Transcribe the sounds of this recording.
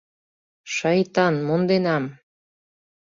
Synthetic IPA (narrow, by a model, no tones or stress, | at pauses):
ʃɑjt̪ɑnmond̪enɑm